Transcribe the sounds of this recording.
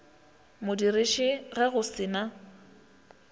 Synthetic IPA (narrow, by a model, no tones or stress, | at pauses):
mʊdirɪʃɪɣɛɣʊsɪːna